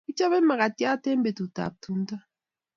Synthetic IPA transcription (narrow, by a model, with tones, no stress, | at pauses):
i˦t͡ʃɔ˦βɛ˦ma˨ɣa˨ti˦a˦te˦mbe˨tu˨ta̰˨p̚tu˦nta˦